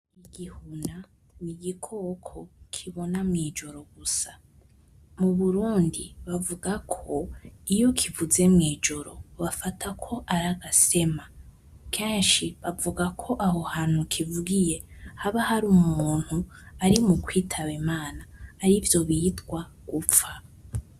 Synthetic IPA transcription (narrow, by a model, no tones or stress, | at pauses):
iɡihuna | niɡikʰo̞kʰokʰiβo̞namŋiːd͡ʒo̞ɾo̞ɡusḁ | muβuɾuːndiβavuɡakʰo̞ijo̞kʰivuze̞mŋiːd͡ʒo̞ɾo̞̰βafatʰakʰo̞ʔaɾaɡase̞ma | kʰeːnʃiβavuɡakʰo̞ʔaho̞haːn̥hukʰivuɡije̞haβahaɾumuuːn̥huaɾimukwiːtʰaβimaːnaːɾivjo̞βiːtɡwa | ɡ̥ufa